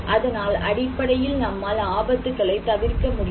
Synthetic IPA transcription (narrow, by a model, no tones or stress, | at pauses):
ʔɐðɐnaːlɐɽɪpːɐɽɐjɪlnɐmːaːlaːbɐt̪ːɯkːɐɭɐɪt̪ɐʋɪrkɐmʊɽɪ